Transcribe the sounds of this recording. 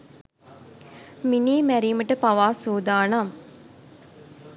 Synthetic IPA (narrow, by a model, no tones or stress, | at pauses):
miniːmæɾiːməʈəpɐʋaːsuːd̪aːna